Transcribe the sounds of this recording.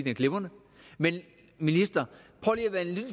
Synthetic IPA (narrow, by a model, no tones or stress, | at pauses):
d̥enkʰle̝b̥ɐnə | men | minisd̥ɐ | pʰɒliʋænlid̥